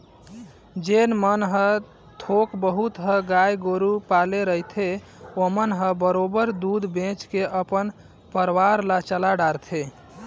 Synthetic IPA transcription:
d͡ʒenmənɦə | t̪ʰokbəɦut̪ɦəɡajɡoɾupaleɾəɦit̪ʰe | omənɦəbəɾobəɾd̪ud̪ʱbẽt͡ʃkeʔəpən | pəɾwaɾlat͡ʃəlaɖaɾt̪ʰe

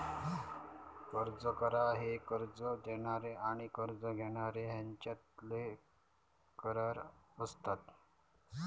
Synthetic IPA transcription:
kəɾd͡zəkəɾaɦekəɾd͡zəd̪eɽ̃aɾeʔaɽ̃ikəɾd͡zəɡʱeɽ̃aɾeɦjaɲt͡ɕat̪le | kəɾəɾəst̪at̪

